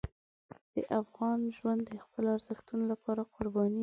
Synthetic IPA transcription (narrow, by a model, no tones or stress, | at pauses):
d̪̥ə̰ʔafɣɑnʒwand̪ːəxpəlaɾzəxt̪unolapɑɾaqʊɾbɑni